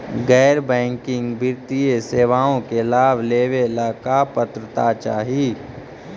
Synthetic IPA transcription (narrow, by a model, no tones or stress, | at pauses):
ɡɛːɾbɛ̃ːŋkɪ̃ŋɡbɪɾt̪ieseːʋaːõkelaːbleːʋelaːkapət̪ɾət̪at͡ʃaːɦiː